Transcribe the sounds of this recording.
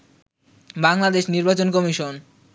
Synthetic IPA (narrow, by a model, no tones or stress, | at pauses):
baŋlad̪eʃniɾbat͡ɕonkɔmiʃon